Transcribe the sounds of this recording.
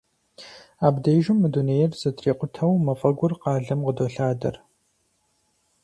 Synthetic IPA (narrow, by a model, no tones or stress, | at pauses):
aːbdejʒʊmːɨduneːjɛrzɐtʰreːqʷʊtʰɐwmɐfʼɐɡʷʊrqɑːɮɐmqədoːɬaːdɐ̰r